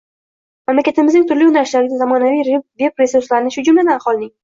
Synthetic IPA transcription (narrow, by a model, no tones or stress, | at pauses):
mamlakʲat̪ɪmɪznɪŋt̪ʰʊɾlɪʊnaɾɪʃlaɾɪd̪ʲazamɒnavijɾvepɾeseʊslaɾɪnɪʃhʊd͡ʒʊmlad̪anaχwɒlˠnɪŋʲ